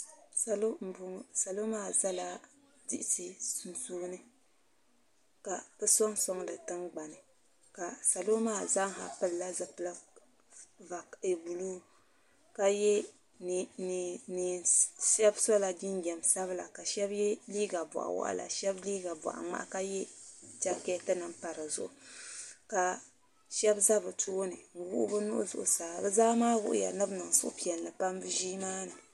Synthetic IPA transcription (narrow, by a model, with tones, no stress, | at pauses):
sa˨lo˦m̩˨bʊ˨ŋ˦sa˨lo˦maː˦˨za˦la˦ | dḭ˦ʔɪ˦si˨sɨ˨nsuː˦nɨ˦ | ka˨kɨ˦sɔ˦ŋsɔ˦ŋlɨ˨tɨ˦ŋɡ͡ba˨nɨ˨ | ka˨sa˨lo˦maː˦˨za˦ŋ˦ɦa̰˨pɨ˨lla˦zɨ˨pɨ˦la˦ | va˨e˨bu˨luː˦˨ | ka˦jɛ˦˨ | ni˨ʃɛ˦bsɔ˦la˨ɡi˦nɡʲɛ˨m˨sa˦βɨ˦la˨ka˨ʃɛ˦bjɛ˦liː˦ɡa˨ba̰˨ʔa̰˨wa̰˨ʔa̰˨la̰˨ʃɛ˦bliː˦ɡa˨bɔ̰˨ʔa̰˨ŋ͡ma̰˦ʔka˦jɛ˦t͡ʃa˦kɛ˦tɨ˦nɨ˨mpa˨ɾɨ˨zʊ̰˨ʔʊ˨ka˨ | ʃɛ˦bza˦bɨ˨tʰoː˦nɨ˨ŋ̩˨wʊ˦ʔʊ̰˦bɨ˦nʊ̰˦ʔʊ̰˦zʊ̰˨ʔʊ˨saː˨bɨ˦zaː˦maː˦wʊ̰˦ʔʊ̰˦ja̰˨nɨ˦bnɨ˨ŋ˨sʊ̰˦ʔʊ̰˦pi˨ɛ˨n˨lɨ˨pa˦mbɨ˦ʒiː˦maː˦nɨ˨